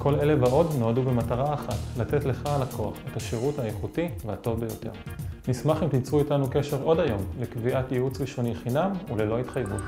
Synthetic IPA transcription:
kʰo̞le̞le̞vaʔo̞dno̞adube̞mataʁaːχatlate̞tle̞χalakʰo̞a̰χe̞taʃeʁuthajeχutiveato̞vbejo̞te̞ʁnismaχimt̪imt͡suitanuke̞ʃe̞ʁo̞dajo̞mlekviʔatjeut͡sʁiʃo̞niχinamulelo̞hitχajvṵt

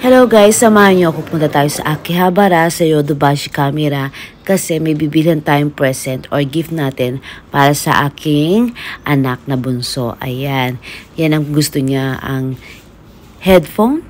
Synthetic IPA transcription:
hɛlowɡajsːɐmaːhɐɲoʔɐkopʊnt̪ɐt̪aːjosɐ̰ʔaːkɪhabaɾasɛjod̪obaʃɪkaːmɛɾɐkɐsɛmɐjbibɪlɪhɐnt̪aːjʊŋpɹɛsɛnt̪oɹɡɪft̪̚naːt̪ɪnpaːɾɐsɐ̰ʔaːkʰɪŋʔɐnak̚nɐbʊnso̞̰ʔɐ̰janjanɐŋɡʊst̪oɲaʔɐ̰ŋ | hɛd̪fon

